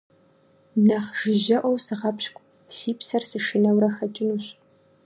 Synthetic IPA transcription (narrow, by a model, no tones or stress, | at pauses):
nɐχʒ̥ɪʒɐʔʷɔwsɨʁɐpʰʃkʷʼ | siːpʰsɐrsɨʂɨnɐwɾɐxɐt͡ʃʼɪnuːɕ